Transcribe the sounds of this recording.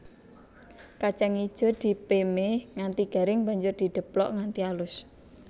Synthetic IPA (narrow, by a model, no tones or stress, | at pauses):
kat͡ʃɛŋid̥ʒ̥ɔ̤d̪̥i̤pemeŋant̪iɡ̥a̤ɾɪŋba̤ɲd͡ʒʊrd̪̥i̤ɖ̪̥ə̤plɔ̰ʔŋant̪ialʊs